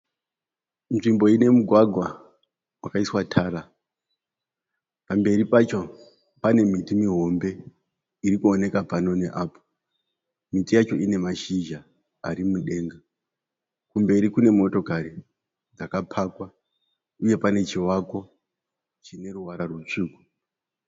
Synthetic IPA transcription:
nʐimbo̞ine̞muɡʱwaɡʱwa | wakaiswatʰaːɾa | pambe̞ripat͡ʃo̞ | pane̞mitimiɦo̞mbe̞ | iɾikuone̞kapano̞ne̞ʔaːpo̥ | mitijat͡ʃo̞ʔine̞maʃiʒa | a̰ɾimuɗe̞ːŋɡa | kumbe̞ɾikune̞mo̞to̞kaɾi | d͡zakapʰakwa | uje̞pane̞t͡ʃiwako̞ | t͡ʃine̞ɾuwaɾarwut͡ʂiːku

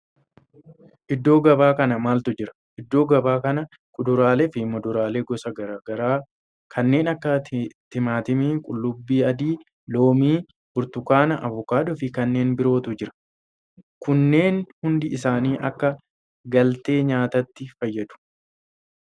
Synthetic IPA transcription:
ʔɪd̪ːo̞ːɡɐbaːkɐnɐmaːlt̪ʊd͡ʒɪɾɐ̥ | ʔɪd̪ːo̞ːɡɐbaːkɐnɐ | kʊd̪ʊɾaːlɛfɪmɔd̪ʊɾaːle̞ːɡɔsɐɡɐɾaːɡɐɾaː | kʰɐnːe̞ːnɐkːɐt̪ɪmaːt̪ɪmiːkʼʊlːʊbːiːɐd̪iː | lo̞ːmiː | bʊɾt̪ʊkaːnɐʔɐvʊkaːd̪ɔfɪkɐnːe̞ːnbɪɾo̞ːt̪ʊd͡ʒɪɾɐ̥ | kʊnːe̞ːnhʊnd̪ɪɪsaːniːʔɐkːɐ | ɡɐlt̪e̞ːɲaːt̪ɐt̪ːɪfɐjːɐd̪ʊ̥

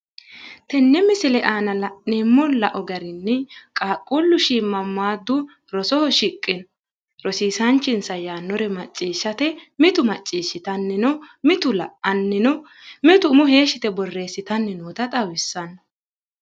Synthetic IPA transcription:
t̪ɛnːɛmɪsɪlɛʔaːnɐlɐʔnemːɔlɐʔɔɡɐɾɪnːɛkʼaːkʼːʊlːʊʃiːmːɐmːaːd̪ːʊ | ɾɔsɔhɔʃɪkʼːɪn | ɾɔsiːsɐnt͡ʃːɪnsɐjaːnːɔɾɛmɐt͡ʃʼːiːʃːɐt̪ɛmɪt̪ʊmɐt͡ʃʼːiːʃːɪt̪ɐnːɛnɔmɪt̪ʊlɐ̰ʔɐnːɛnɔ | mɪt̪ʊmʊɦe̞ːʃɪt̪ɛbɔrːe̞ːsːɪt̪ɐnːɛnoːt̪ɐt̪ʼɐwɪsːɐnːɐ

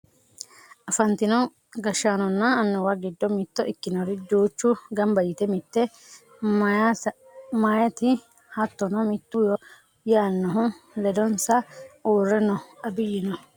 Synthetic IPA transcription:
ʔɐfɐnt̪ɪnɔ | ɡɐʃːaːnɔnːɐːnːɔwɐɡɪd̪ːɔmɪt̪ːɔʔɪkːɪnɔɾɪd̪uːt͡ʃːʊɡɐmbɐjɪt̪ɛmɪt̪ːɛ | majɐt̪ɪ | hɐt̪ːɔnɔmɪt̪ːʊjɔ | jaːnːɔɦʊlɛd̪ɔnsɐuːrːɛnɔɐbɪjɪnɔ

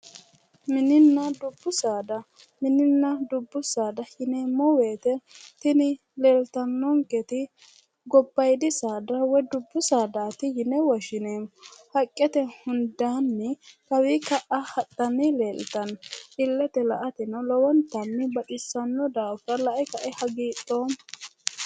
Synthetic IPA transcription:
mɪnɪnːɐd̪ʊbːʊsaːd̪ɐ | mɪnɪnːɐd̪ʊbːʊsaːd̪ɐhɪnɛmɔweːt̪ɛt̪ɪnɪ | le̞ːlt̪ɐnːɔŋkɛt̪ɪ | ɡɔbːɐjd̪ɪsaːd̪ɐwɔd̪ʊbːʊsaːd̪aːt̪ɪjɪnɛwɐʃɪneːmhɐkʼːɛt̪ɛhʊnd̪aːnːɛkɐwikɐʔɐhɐtʼːɐnɛleːlt̪ɐnʔɪlːɛt̪ɛlɐʔɐt̪ɪnɐlɔwɔnt̪ɐmːɪbɐᶑɪsːɐnːɔd̪aːfɐlɐʔɛkɐʔɛhɐɡiːt̪ʼːoːm

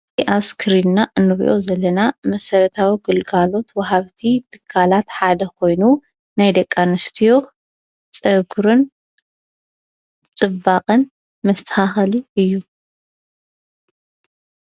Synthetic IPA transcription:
ʔaβskʰɨɾinːaʔɨnːɨɾḭʔo̞zɐlːɐnamɐsɐɾɐt̪ʰawiɡɨlɡalo̞t̪wɐhaβt̪ʰit̪ʰɨ̥kʰːalat̪ħad̪ɐkʰo̞jnu | najd̪ɐkʼːanɨst̪ʰijo̞ | t͡sʼɐɡɾɨn | t͡sʼɨbːaqʼɨn | mɐst̪ʰɐ̥haxɐliʔɨjːu

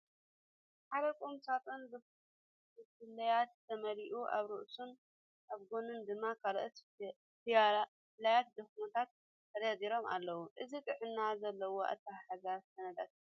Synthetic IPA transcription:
ħaɾɐkʼomsat̪ʼond̪ɨ | ɨkɨlːɐjat̪ʰːɐmɐɾiʔuʔa̰βɾɨʔsun | ʔaβɡonɨnd̪ɨmːakʰaɾʔɨt̪ | lajat̪̚d̪ɨxmot̪ʰat̪ːʰ | ɐɾjaziɾo̞ma̰lːɐwuʔɨzit̪ʼɨʕɨnːazɐlːɐwoʔa̰t̪ʰːaħaɡasɐnɐd̪at̪

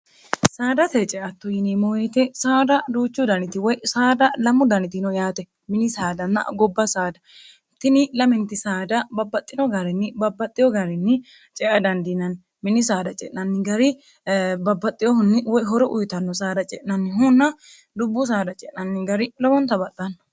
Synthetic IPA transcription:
saːd̪ɐt̪ɛt͡ʃʼɛʔɐt̪ːʊjɪnimɔwet̪ɛsaːd̪ɐd̪uːt͡ʃːʊd̪ɐnɪt̪ɪwɔjsaːd̪ɐlɐmːʊd̪ɐnɪt̪ɪnɔjaːt̪ɛ | mɪnɪsaːd̪ɐnːɐ̰ɡɔbːɐsaːd̪ɐ | t̪ɪnɪlɐmɛnt̪ːɪsaːd̪ɐbɐbːɐt̪ʼːɪnɔɡɐɾɛnːɪbɐbːɐt̪ʼːɪjɔɡɐɾɛnːɪ | t͡ʃʼɛʔɐd̪ɐnd̪ɪnɐn | mɪnːɪsaːd̪ɐt͡ʃʼɛ̰ʔnɐnːɪɡɐɾɪ | bɐbːɐt̪ʼːɪjɔhʊnːɪwɔjɦɔɾɛʔʊjt̪ɐnːɔsaːd̪ɐt͡ʃʼɛ̰ʔnɐnːɪɦʊnːɐ | d̪ʊbːʊs̬aːd̪ɐt͡ʃʼɛʔnɐnːɪɡɐɾɪlɔwɔnt̪ɐbɐt̪ʼːɐnːɐ

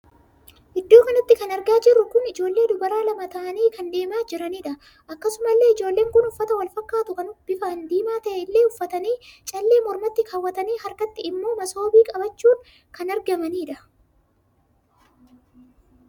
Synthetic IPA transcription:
ʔɪd̪ːoːkɐnɐt̪ːɪkɐnɐɾɡaːd͡ʒɪrːʊkʊnɪd͡ʒo̞ːlːe̞ːd̪ʊbɐɾaːlɐmɐt̪ɐʔɐniːkɐnd̪e̞ːmaːd͡ʒɪɾɐniːᶑɐ | ʔɐkːɐsʊmɐlːe̞ːɪd͡ʒo̞ːlːe̞ːŋkʊnʊfːɐt̪ɐwɐlfɐkːaːt̪ʊkɐnʊb̥ɪfɐʔɐnd̪iːmaːt̪ɐʔɛɪlːeːʊfːɐt̪ɐniːt͡ʃʼɐlːe̞ːmɔɾmɐt̪ːɪkʰɐwːɐt̪ɐniːhɐɾkɐt̪ːɪɪmːo̞ːmɐso̞ːbiːkʼɐbɐt͡ʃːuːn | kɐnɐɾɡɐmɐniːᶑɐ

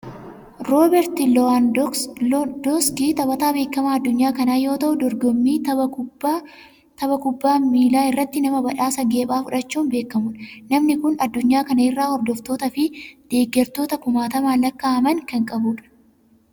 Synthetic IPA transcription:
ɾoːbɛɾt̪ɪlɔ | d̪ɔskiːt̪ɐbɐt̪aːbe̞ːkːɐmaɐd̪ːʊɲːaːkɐnaːjo̞ːt̪ɐʔʊd̪ɔɾɡɔmːiː | t̪ɐbɐkʊbːaːmiːlaːɪrːɐt̪ːɪnɐmɐbɐᶑaːsɐɡe̞ːbaːfʊᶑɐt͡ʃːuːnbe̞ːkːɐmʊnnɐmnɪkʊnɐd̪ːʊɲːaːkɐnɐɪrːaːhɔɾd̪ɔft̪o̞ːt̪ɐfɪd̪̥e̞ːɡːɛɾt̪o̞ːt̪ɐkʊmaːt̪ɐmaːlɐkːaːɐmɐŋkɐŋkʼɐbuːᶑɐ̥

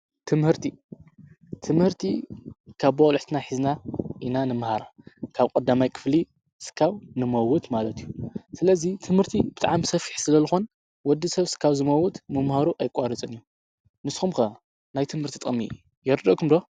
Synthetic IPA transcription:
t̪ʰɨmhɨɾt̪ʰi | t̪ʰɨmhɨɾt̪ʰikʰaβbolħt̪ɨnaħiznaʔinanɨmɨhaɾakʰaβkʼɐd̪ːamajkʰɨ̥fli | sɨ̥kʰːawnɨmɐwʊt̪malɐt̪ʰijusɨlɐzit̪ʰɨmhɨɾt̪ʰib̥ɨt̪ʼaʕamsɐfi̥ħsɨlɐzɨxon | wɔd̪ːisɐβsɨ̥kʰːawzɨmɐwːʊt̪mɐmhaɾuʔajkʼaɾɨt͡sʼɨniju | nɨsxumkɐ | najt̪ʰɨmhɨɾt̪ʰit̪ʼmːḭ | jɛɾɨd̪ɐʔkʰumd̪o

